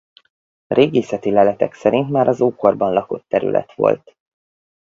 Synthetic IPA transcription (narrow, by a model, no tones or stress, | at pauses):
reːɡeːsɛt̪ilɛlɛt̪ɛksɛɾint̪maːɾɒzoːko̞rbɒnlɒko̞t̪ːɛɾy̰lʔɛ̰t̪ʋo̞̰lt̪